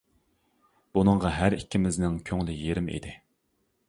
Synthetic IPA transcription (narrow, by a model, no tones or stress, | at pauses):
b̥unɨɴʁɑɦæɾikʲːimɪznɪŋkʲʰøŋlɪjeɾɪmḭd̪ɪ